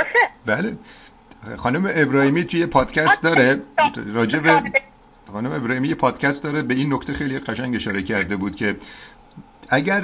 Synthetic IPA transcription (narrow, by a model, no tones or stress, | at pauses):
bæle | xɒːnumeʔebɾɒːhiːmiːt̪ʰujepʰɒːd̪̥cʰʲæst̪̚d̪ɒːɾeɾɒːd͡ʒe̞be | χɒːnumeebɾɒːhiːmijepʰɒːd̪̥cʰæst̪̚d̪ɒːɾebe̞inːocʰt̪e̞xejlijeɢæʃæŋɟe̞ʃɒːɾe̞cʰæɾd̪e̞buːd̪̥̚cʲʰe̞ | æɟæɾ